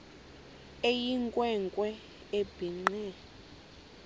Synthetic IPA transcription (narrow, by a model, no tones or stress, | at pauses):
ejiŋkʼwɛŋkʼwɛ | eb̥ʱiŋ͡ǃɛ